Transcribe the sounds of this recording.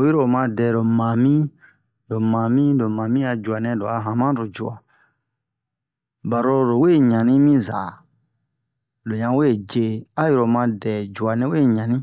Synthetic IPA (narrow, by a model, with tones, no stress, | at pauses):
ji˦ɾo˨mã˧˦dɛ˨ɾo˨mã˨mĩ˦ | lo˨mã˨mĩ˦lo˨mã˨mĩ˦a˧d͡ʒu˨a˨nɛ̃˧lo˨a˨ɦã˨mã˦ɾo˨d͡ʒu˨a˨ | ba˨ɾo˦ɾo˨˦we˦˨ɲã˨nĩ˦mĩ˦za̰˨ | lo˨ɲã˧we˦˨d͡ʒe˨a˦ji˧ɾo˨mã˧dɛ˨d͡ʒu˨a˨nɛ̃˦we˦˨ɲã˨nĩ˦